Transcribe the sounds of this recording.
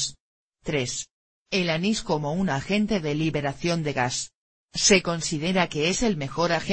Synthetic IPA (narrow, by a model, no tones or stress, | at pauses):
s | t̪ɾe̞s | elanisko̞mo̞unaxe̞nt̪e̞ðe̞liβe̞ɾaθjo̞nd̪e̞ɣasː | e̞ko̞nsiðe̞ɾake̞ese̞lme̞xo̞ɾaxe